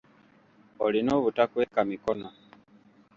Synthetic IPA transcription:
olinoβutakuekamikɔno

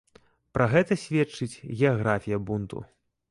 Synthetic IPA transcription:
pɾɐɣɛt̪ɐsʲvʲɛt͡ʂɨt͡sʲɣʲɛaɣɾafʲijɐbunt̪ṵ

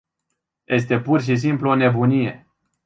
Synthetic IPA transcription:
jʔe̞s̬t̪e̞purʃ̬is̬impluo̞ne̞bunije̞̰

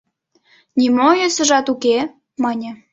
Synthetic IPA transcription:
nʲimojøsə̆ʒɑt̪uke | mɑnʲə̆

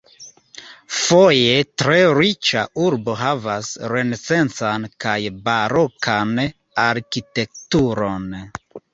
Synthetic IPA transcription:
foje̞tɾeɾit͡ʃauɾbo̞ɦavasɾenese̞nt͡sankajbaɾokʰan | aɾkite̞k̚tuɾo̞n

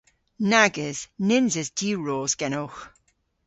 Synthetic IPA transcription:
naɡəz̥nɪnzəzdiːɹoːzɡ̥ɛnowx

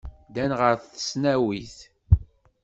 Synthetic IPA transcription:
d̪ænʁəɾθθə̥snæwiθ

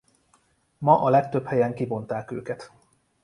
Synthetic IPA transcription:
mɒʔɒlɛk̚t̪øphɛjɛŋkibo̞nt̪aːkø̰ːkɛt̪

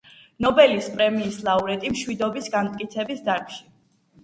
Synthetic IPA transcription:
nɔbɛlispʼɾɛmiːslˠauɾɛt̪ʼimʃwid̪ɔbisɡamt̪ʼkʼit̪sʰɛbisd̪aɾkʰʃi̥

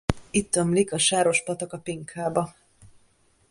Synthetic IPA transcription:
it̪ːø̞mlikɒʃaːɾo̞ʃpɒt̪ɒkɒpiŋkʰaːbɒ

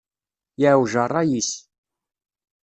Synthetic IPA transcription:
jaʕwʒərˤːɑjis

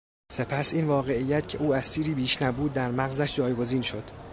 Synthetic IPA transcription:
se̞pʰæsiːnvɒːɣe̞ijːæt̪cʰe̞̰ʔuːæst̪iːɾiːbiːʃnæbuːd̪̚ːæɾmæɣzæʃd͡ʒɒːjɡo̞ziːnʃo̞d̪̥

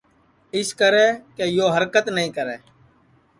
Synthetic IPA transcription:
ɪskəɾɛːkeːjoːɦəɾkət̪nəɦĩːkəɾɛː

